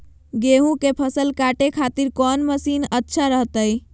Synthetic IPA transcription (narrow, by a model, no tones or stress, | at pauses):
ɡeɦũkepʰəsəlkaʈekʰat̪iɾkɔnməsinətːʃʰaɾəɦt̪əj